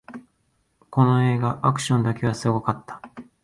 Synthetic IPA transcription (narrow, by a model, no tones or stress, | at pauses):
ko̞no̞e̞ːɡaʔakɯ̟̥ɕõ̞nd̪ake̞βasɨɡo̞kat̪ːḁ